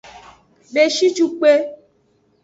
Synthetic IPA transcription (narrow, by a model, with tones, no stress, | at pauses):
be˨ʃi˦t͡ʃu˦k͡pe˦